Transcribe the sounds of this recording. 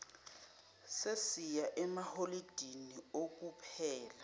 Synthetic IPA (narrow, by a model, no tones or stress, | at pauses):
sesijaʔɛmaholid̥ʱiniok̬ʼupʰɛːla